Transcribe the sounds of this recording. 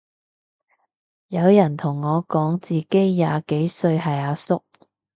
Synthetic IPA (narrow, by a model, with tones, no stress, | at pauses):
jɐ˨˧wjɐ˨˩nt̪ʰʊ˨˩ŋːɔː˨˧kɔː˨˥ŋt͡siː˨ke˥jːaː˨ke˨˥jsɵ˧ɥɦɐ˨jaː˨˧sʊ˥k̚